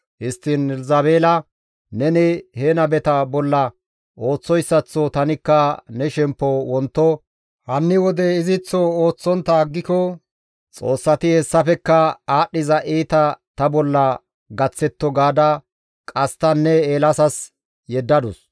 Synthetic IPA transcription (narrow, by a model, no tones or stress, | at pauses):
hɪst̪ːɪnɛlzɐbe̞ːlɐ | nɛnɪheːnɐbɛt̪ɐbɔlːɐ | ʔo̞ːt͡sːɔjsːɐt͡sːɔt̪ɐnɪkːɐnɛʃɛmpːɔwɔnt̪ːɔ | hɐnːɪwɔd̪ɛɪzɪt͡sːɔoːt͡sːɔnt̪ːɐɡːɪkɔ | t͡sʼo̰ːsːɐt̪ɪhɛsːɐfɛkːɐaːɗːɪzɐʔiːt̪ɐt̪ɐbɔlːɐ | ɡɐt͡sːɛt̪ːɔɡaːd̪ɐ | kʼɐst̪ɐnːɛeːlɐsɐs | jɛd̪ːɐd̪ʊs